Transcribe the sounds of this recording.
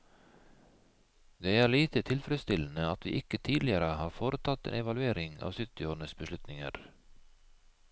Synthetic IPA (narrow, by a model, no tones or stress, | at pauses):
d̪eːæːɭiːt̪ət̪ʰɪlfɾɛst̪ɪln̩əɑt̪ʋḭːʔɪkət̪ʰiːd̪lɪəɾəhɑːɾfoːɾət̪ʰɑt̪ḛːnɛʋɑlʉeːɾɪŋɑ̰ːʋsʏt̪ɪoːɳəsbəʃlʉt̪nɪŋə̰ɾ